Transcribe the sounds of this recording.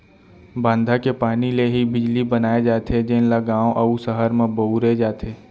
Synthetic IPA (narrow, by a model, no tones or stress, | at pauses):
bãːnd̪ʱakepaːnileɦibɪd͡ʒlibənaːed͡ʒaːt̪ed͡ʒenlaɡãːõʔɐusəɦəɾmẽbɐuɾed͡ʒaːt̪ʰeː